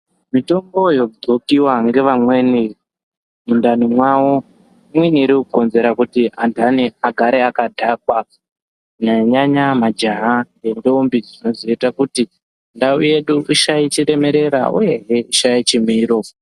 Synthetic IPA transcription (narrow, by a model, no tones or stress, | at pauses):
mito̞mbo̞jo̞d͡zokiwaŋɡe̞ʋamwe̞ni | mundanimwawo | imweniːɾikuko̞nze̞ɾakutiʔandaniaɡʱaɾeakadʱakwa | naɲaɲamad͡ʒaɦaŋɡe̞ndombid͡zino̞ziitakuti | ndauje̞ɗuʔiʃait͡ʃiɾe̞me̞ɾe̞ɾa̰ʔṵje̞ɦeiʃajit͡ʃimiːɾo̞